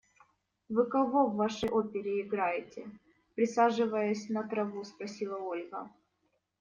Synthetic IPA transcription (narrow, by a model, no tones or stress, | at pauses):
vɨkɐvo̞vːaʂəjʔopʲɪɾʲɪɪɡɾajɪtʲɪ | pɾʲɪsaʐɨvəjʊsʲnɐt̪ɾɐvuspɾɐsʲilˠəo̞lʲɣə